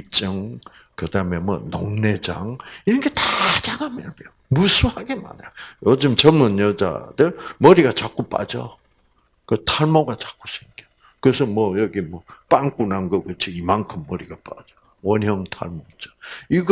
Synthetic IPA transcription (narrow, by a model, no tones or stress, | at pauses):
it͡ɕ͈ɯŋ | kɯdamemwʌ̰noŋne̞d͡ʑa̰ŋiɾʌnkʰetat͡ɕaɡamenpeomusʰuhaɡema̰njajod͡ʑɯmt͡ɕʌmɯnjʌd͡ʑa̰dɯɭmʌɾiɡat͡ɕak͈up͈a̰d͡ʑʌ | kɯtʰaɭmoɡat͡ɕḁk͈u̥sʰe̥ŋkio | kɯesʰʌmwʌjʌɡimwʌp͈aŋk͈unanɡʌkɯt͡ɕʰoimankʰɯmːʌɾiɡapa̰d͡ʑʌ | wʌnɦjʌŋtʰa̰ɭmot͡ɕʌ̥iɡ